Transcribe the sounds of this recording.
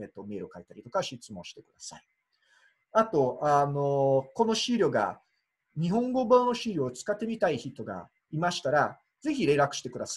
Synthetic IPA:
et̪o̞me̞ːɾɯ̟okait̪aɾʲit̪o̞kaɕit͡sɨmõ̞ɕi̥t̪e̞kɯ̟d̪asai | at̪o̞ano̞ko̞no̞ɕiɾʲo̞ɡa̰ | ɲ̟iɦõ̞ŋɡo̞banoɕiɾʲo̞ːt͡sɨ̥kat̪ːe̞mʲit̪aiçit̪ːo̞ɡa̰ | imaɕi̥t̪aɾa | ze̞çiɾe̞ɾakɯ̟ɕi̥t̪e̞kɯ̟d̪as

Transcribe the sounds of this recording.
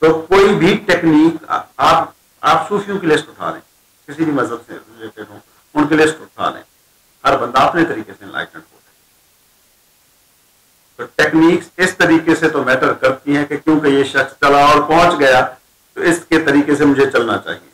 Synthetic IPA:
t̪oːkoːibʱiʈeːkniːkaːp | a̰ːpsuːfʰijõkelɪsʈʊʈʰa̰ːlḛ̃ː | kɪsibʱimɐzəbsḛɾɪleːʈɪɖɦõː | ʊnkelɪɪsʈʊʈʰa̰ːlḛ̃ː | hɐɾbɐ̃nd̪aɐpnet̪ɐɾiːkeseɪ̃nla̰ːɪʈə̃ɳɖɦo̰ːɾɛ | t̪oːʈeːkniːksɪst̪ɐɾiːkeset̪omɛːʈəɾkɐɾt̪iɦɛ̃kekjõːkejeʃɐxst͡ʃɐlaɔːɾpɔ̃ɦːt͡ʃɡɐja | t̪oɪsket̪ɐɾiːkesemʊd͡ʒʱet͡ʃɐlnat͡ʃa̰ːɦiḛː

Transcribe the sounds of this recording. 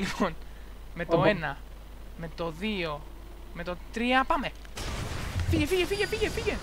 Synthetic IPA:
lipo̞n | me̞t̪o̞e̞nɐ | me̞t̪o̞ðio̞ | me̞t̪o̞t̪ɾiɐpɐme̞ | fiʝefiʝefiʝefiʝefiʝen

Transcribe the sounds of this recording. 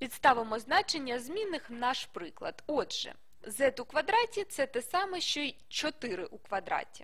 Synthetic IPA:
pʲit̪st̪ɑʋɪmɔznɑt͡ʃenʲːɐzmʲinɪxnɑʃpɾɪklˠɐ̰d̪ɔdʒ̥ɛ̰ | zɛt̪ʊkʋɐd̪ɾɑtʲit̪sɛt̪ɛsɑmɛʃt͡ʃɔi | t͡ʃɔt̪ɪɾɪʔukʋɐd̪ɾɑ̰tʲi̥̰

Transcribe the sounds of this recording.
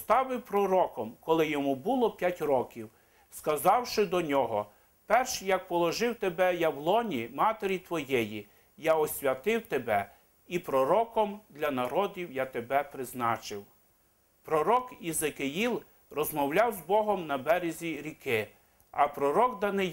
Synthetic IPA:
st̪ɑʋɪwpɾɔɾɔkɔmkɔlˠɪjɔmubulˠɔpʲjatʲrɔkʲiw | skɐzɑwʃɪd̪ɔnʲɔɦɔ | pɛrʃjɐk̚pɔlˠɔʒɪwt̪ebɛjawlˠɔnʲimɑt̪eɾʲit̪ʋɔjɛji | jaɔsʲʋʲɐt̪ɪwt̪ebɛ | ipɾɔɾɔkɔmd̪lʲɐnɐɾɔdʲiwjat̪ebɛpɾɪznɑt͡ʃɪw | pɾɔɾɔkizekɪjilˠ | rɔzmɔwlʲɑwzbɔɦɔmnɐbɛɾʲezʲiɾʲikɪ | ɐpɾɔɾɔɡd̪ɐnɪ

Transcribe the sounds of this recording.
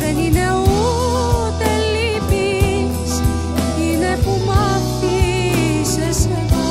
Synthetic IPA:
enine | u | t̪elːipi | s | ninepumɑ | tː | i | ses

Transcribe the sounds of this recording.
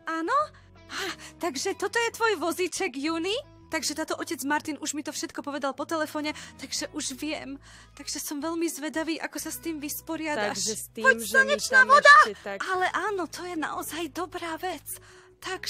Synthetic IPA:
aːnɔ | aːt̪aɡʒɛt̪ɔt̪ɔjɛt̪ʋɔjʋɔzit͡ʃɛɡjuːni | t̪aɡʒɛt̪aːt̪ɔʔɔcɛd͡zmaɾt̪inuʒmit̪ɔfʃɛt̪kɔpɔʋɛd̪alpɔt̪ɛlɛfɔɲɛt̪aɡʒɛʔuʒʋɪɛm | tt̪aɡʒɛsɔmʋɛʎmizʋɛd̪aʋiːʔa̰kɔsast̪iːmʋispɔɾɪad̪aʃpɔaɲɛt͡ʃnaːʋɔd̪aalɛʔaːnɔt̪ɔjɛna̰ʔɔzajd̪ɔbɾaːʋɛt͡s | t̪aɡ

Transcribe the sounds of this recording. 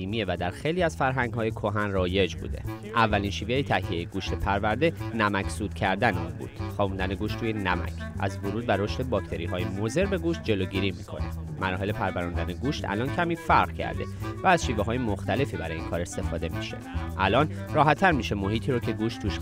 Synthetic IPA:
iːmievæd̪æɾxejliːæzfæɾɦæŋɡɦɒːjekʰo̞ɦænrɒːje̞d͡ʒbṵːd̪e̞̰ | ʔævːælinʃiːvejet̪ʰæhije̞jeɡuːʃt̪ʰe̞pʰæɾvæɾd̪e̞næmæcʰsuːd̪̥cʰæɾd̪ænunbṵːd̪̥xɒːbund̪æneɡuːʃt̪ʰːuːjenæmæ̰cʰʔæ̰zvoɾuːd̪̚bæɾoʃt̪e̞bɒːcʰt̪ʰe̞ɾiːɦɒːjemoze̞ɾbe̞ɡuːʃt̪̚d͡ʒe̞loɟiːɾiːmikʰo̞̰ne | mæɾɒːɦe̞le̞pʰæɾvæɾund̪æneɡuːʃt̪ʰæ̰lɒːncʰæmiːfæɾɢcʰæ̰ɾd̪e̞̰væːzʃiːveɦɒːjemoxt̪æle̞fiːbæɾɒːjeinkʰɒːɾe̞st̪e̞fɒ̰ːd̪e̞mḭʃe̞̰ʔælɒːn | rɒːɦæt̪ʰːæɾmiːʃe̞mo̞ɦiːt̪ʰiːɾocʰe̞ɡuːʃt̪ʰːuːʃ

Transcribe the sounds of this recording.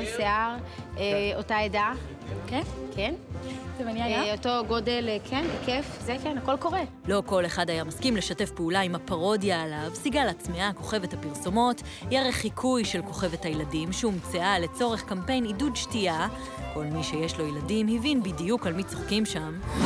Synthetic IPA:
seaʁeotaeda | kekʰenevaniajaotoɡodelkʰenbekefzekenako̞lko̞ʁe | lo̞ko̞le̞χadajamaskimle̞ʃate̞fpeulaimapaʁo̞djaːlavsiɡalːt͡smiako̞χe̞ve̞thapiʁsomo̞t | jeʁeχikʰujʃe̞lko̞χe̞ve̞thajeladimʃeumt͡seale̞t͡so̞ʁe̞χkampe̞jnidudʃtia | ko̞lmiʃejeʃlo̞jeladimhivinbidijukalmit͡soχkimʃam

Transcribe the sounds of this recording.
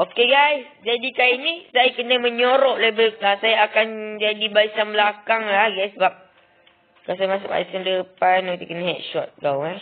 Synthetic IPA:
okeɡajs | d͡ʒadikainisajakənəmə̃ɲoɾɔʔlebəasajaːkand͡ʒadibaisanbəlakaŋlahɡajsəbap̚ | kasajmas̬ʊpa̰jsəndəpanɔt̪əkənəɦɛt̚ʃɔt̪̚ɡawɡaj

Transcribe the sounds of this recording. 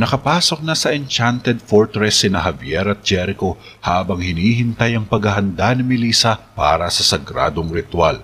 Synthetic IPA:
nɐkɐpaːso̞k̚nɐsɐʔɛnt͡ʃant̪ɛd̪̚foɹt̪ɾɛsːɪnɐɦɐvjɛɾɐt̪̚d͡ʒɛɾɪko̞ | haːbɐŋhɪniːhɪnt̪ajɐŋpɐɡɐɦɐnd̪anɐŋmɪliːsɐpa̰ːɾɐsɐsɐɡɾa̰ːd̪oŋɾɪt̪wa̰l

